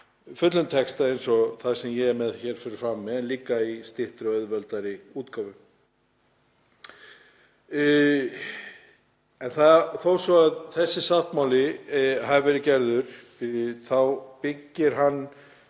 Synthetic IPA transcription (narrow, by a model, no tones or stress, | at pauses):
fʏt̪lʏnt̪ʰɛkst̪aejnsɔθaðsɛmjɛmɛðçɛːɾ̥fʏɾʏɾfɾamːɛðɛnliːkːaist̪ɪht̪ɾɪœðvœlt̪aɾɪuːt̪kʰaːvʏ | ɛnθaθowsɔaðθɛsːɪsawht̪mawlɪɦaðvɛːɾɪcɛɾðʏɾ̥ | θawpɪcːɪɾ̥ɦanː